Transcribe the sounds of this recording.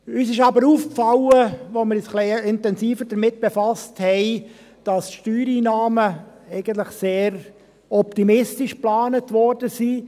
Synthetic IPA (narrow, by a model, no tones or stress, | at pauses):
yːsɪʃɑbəɾuːfkfɑwəʋoməɾɪsχliɪntɛnsiːfəɾd̥əɾmɪt̚b̥efɑsthɛɪ | d̥ɑsʃtyːɾiːnɑːmə | ɛɪɡənt̬lɪχseːɾ | ɔptimɪstɪʃplɑːnətʋɔɾdəsiː